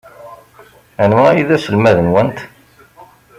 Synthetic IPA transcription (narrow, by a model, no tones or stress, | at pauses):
ænmʁæiðæsəlmæðənwənt̪